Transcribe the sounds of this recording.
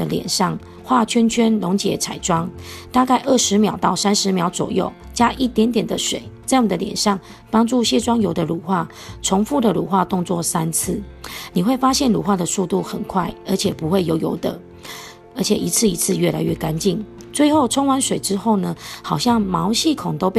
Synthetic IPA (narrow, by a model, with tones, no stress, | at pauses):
ə˦ljɛ̰˨˩nʂɑ˥˩ŋ | xwa˥˧t͡ɕʰɥɛ˥nt͡ɕʰɛ˥nlo˧˥ŋt͡ɕjɛ̰˨˦t͡sʰa˨˩ɪʈ͡ʂwɑ˥ŋt̪a˥˧ka˥˧ɪʔə˥˩ʂɻ̩˧˦mjɑ˨˩ʊt̪ɑ˥˩ʊsa˦nʂɻ̩˧˦mjɑ˧˥ʊt͡swɔ̰˨˩jo̰˥˩ʊ | t͡ɕja˦˥ʔi˥˩t̪jɛ˧˥nt̪̬jɛ˨˩nd̪ə˦ʂwḛ˨˩˦ɪt͡sa˥˩ɪni˨˩d̪ə˦ljɛ̰˨˩nʂɑ˥˩ŋ | pɑ˥ŋʈ͡ʂu˥˧ɕjɛ˥˧ʈ͡ʂwɑ˥ŋjo˧˥ʊd̪ə˨lu˨˩xwa˥˩ | ʈ͡ʂʰʊ˧˥ŋfu˥˩d̪ə˨lṵ˨˩xwa˥˧t̪ʊ˥˧ŋt͡swɔ˥˩sa˦nt͡s̩ʰ˥˩ni˨˩xwe˥˩ɪfa˥ɕjɛ˥˩nlṵ˨˩xwa˥˩d̪ə˨su˥˧t̪u˥˩xə˨˩nkʰwa˥˩ɪə˞˧˥t͡ɕʰjɛ˨˩pu˧˦xwe˥˩ɪjo˧˥ʊjo̰˧˥ʊd̪ə˨ | ə˞˧˥t͡ɕʰjɛ̰˨˩ʔi˧˥t͡sʰɹ̩˥˩i˧˥t͡sʰɹ̩˥˧ɥɛ˥˩la˧˥ɪɥɛ˥˩ka˦nt͡ɕi˥˩n | t͡swe˥˧ɪxo˥˩ʊʈ͡ʂʰʊ˥ŋwa˧˦nʂwe˨˩ɪʈ͡ʂɻ̩˦˥xo˥˩ʊnə˩xɑ˨˩ʊɕjɑ˥˩ŋmɑ˧˦ʊɕi˥˩kʰʊ˨˩ŋt̪o˥ʊpe˥˩